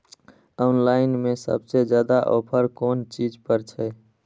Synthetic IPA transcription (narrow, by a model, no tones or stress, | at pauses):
ɔnlaɪnmesə̰bsed͡ʒjad̪aʔo̰pʰəɾkont͡ʃid͡ʒpəɾt͡ʃʰɛ